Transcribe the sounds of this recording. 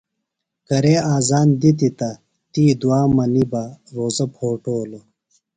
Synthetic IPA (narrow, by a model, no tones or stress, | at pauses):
kɐɾeːaːzaːnd̪it̪it̪ɐ | t̪iːd̪uaːmɐnibɐɾoːzɐpʰoːʈoːlo